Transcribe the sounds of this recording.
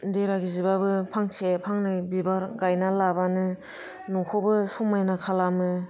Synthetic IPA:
deɾaɡizibabɯpʰaŋsepʰaŋnajbibaɾɡajnalabanɯ | nɔkʰɔbɯsɔmajnakʰalamɯ

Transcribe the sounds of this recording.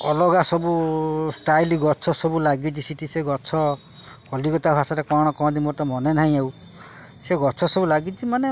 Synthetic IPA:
ɔlɔɡasɔbusʈajliɡɔt͡ʃʰɔsɔbulaɡit͡ʃʰisiʈʰiseɡɔt͡ʃʰɔ | kɔlikɔt̪abʱasaɾekɔɽ̃ɔkɔɔ̃d̪imoɾt̪ɔmɔnenaɦĩew | seɡɔt͡ʃʰɔsɔbulaɡit͡ʃʰimane

